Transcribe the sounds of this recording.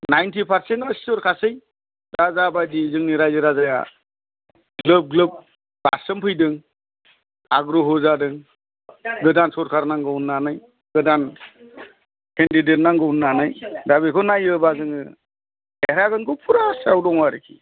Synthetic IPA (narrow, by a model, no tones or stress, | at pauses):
najntʰipʰaɾsentɔstɔɾkʰasɯj | ɾazabajdizɯŋniɾajzɯɾazaja̰ | ɡlɯp̚ɡlɯp̚ | b̥aɾsɯmpʰɯjdɯŋ | aɡɾɔɦɔzadɯŋ | ɡɯdansɔɾkʰaɾnaŋɡɯwnːanɯj | ɡɯdan | kʰendidet̚naŋɡɯwnːanɯjdabikʰɔnajɯbazɯŋɯ | eɾaɡɯnɡɔpʰuɾasawdɔŋwaɾikʰi